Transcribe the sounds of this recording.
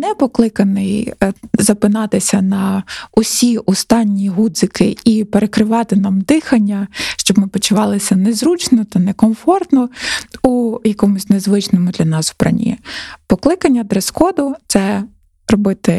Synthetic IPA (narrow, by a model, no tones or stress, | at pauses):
nɛpɔklˠɪkɐnɪjzɐpɪnɑt̪ɪsʲɐnɐɔsʲiʔɔst̪ɑnʲːiɦud̪zɪkʰɪipeɾekɾɪʋɑt̪ɪnɑmd̪ɪxɐnʲːɐʃt͡ʃɔbmɪpɔt͡ʃʊʋɑlˠɪsʲɐnezɾut͡ʃnɔt̪ɐnekɔmfɔrt̪nɔujɐkɔmʊsʲnezʋɪt͡ʃnɔmʊd̪lʲɐnɑsʊpɾɐ̰nʲḭpɔklˠɪkɐnʲːɐd̪ɾeskɔd̪ʊt̪sɛ | rɔbɪt̪ɪ